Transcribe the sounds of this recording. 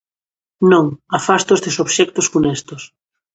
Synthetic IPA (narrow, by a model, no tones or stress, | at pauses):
nõŋafast̪ozðɪsoβʃɛk̚t̪osfunɛst̪os